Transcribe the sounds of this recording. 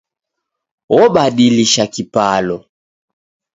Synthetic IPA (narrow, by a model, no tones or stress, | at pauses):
wɔɓaɗiliʃakipalɔ